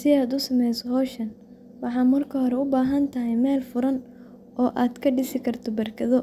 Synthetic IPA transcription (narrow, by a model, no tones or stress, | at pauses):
sɪaːd̪ʊsɐmɛjsɔɦɔːʃɐn | wɑħɑːmɐrkʰɐɦɔɾɛʊbaːɦɐnt̪ʰɐɦɛjmɛːlfʊɾɐn | ɔːʔaːd̪kʰɐɖɪsɪkʰɐrt̪ʰɔbɐrkʰɐðɔ